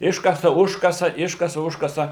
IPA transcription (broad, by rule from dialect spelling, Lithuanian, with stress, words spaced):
ˈɪʃkɐsɐ ˈʊʃkɐsɐ ˈɪʃkɐsɐ ˈʊʃkɐsɐ